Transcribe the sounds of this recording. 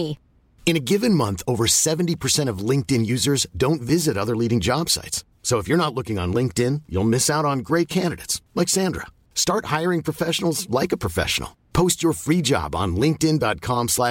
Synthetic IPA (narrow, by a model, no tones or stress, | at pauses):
ɨ̃ñɨɡɪvɨ̃nmʌ̃nθoʊvə˞sɛṽn̩tipʰə˞sɛ̃ɾ̃ʌvlɪ̃ŋk̚tɨ̃njʉzə˞zdõʊ̃ntvɪzɨɾʌðə˞liɾɪ̃ŋd͡ʒɑb̥sa̰ɪtsː | oʊəfjə˞nətˡlʊkɪ̃ŋə̰̃nlɪ̃ŋk̚tɪ̃njṵlˠmɪsaʊɾn̩ɡɹeɪt̚kʰæ̃ndɨɾḛɪtslaɪksæ̃ndɹə̰ | stɑɹt̚haɪə˞ɪ̃ŋpʰɹ̥ɨfɛʃnl̩ˠzlaɪkɨpʰɹ̥ɨfɛ̰ʃə̰n̩l̩ˠ | pʰoʊst͡ʃə˞fɹid͡ʒɑ̰b̃n̩lɪ̃ŋk̚tɪ̃ndɑt̚kʰɑ̃mslæ